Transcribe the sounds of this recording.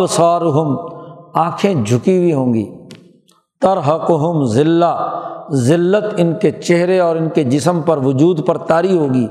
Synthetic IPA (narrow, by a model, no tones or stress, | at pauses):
bsaːɾʊɦʊmãːkʰẽd͡ʒʱʊkibʱiɦõːɡḭː | t̪ɐɾɦəqʊɦʊmzɪlːazɪlːət̪ɪnket͡ʃeɦɾeɔːɾɪnked͡ʒɪsəmpɐɾʋʊd͡ʒuːd̪pɐɾt̪aːɾiɦoːɡiː